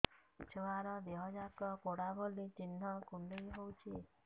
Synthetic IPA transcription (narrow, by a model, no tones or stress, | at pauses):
t͡ʃʰewaɾɔd̪eɦɔd͡ʒakɔkoɽabɔlit͡ʃinːɔkundejɦowt͡ʃʰi